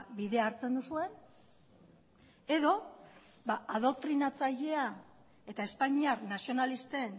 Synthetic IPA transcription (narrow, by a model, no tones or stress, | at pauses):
biðe̞aɾt͡se̞nd̪usue̞n | e̞ðo̞ | βaaðo̞k̚t̪ɾinat͡saʎe̞a | e̞t̪ae̞spaɲiaɾnasio̞nalist̪e̞n